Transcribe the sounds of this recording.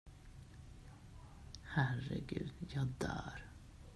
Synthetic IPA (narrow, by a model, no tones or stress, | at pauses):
hæɾːə̰ɡʉ̰ːd̪̥jɑːd̪æ̰ːɾ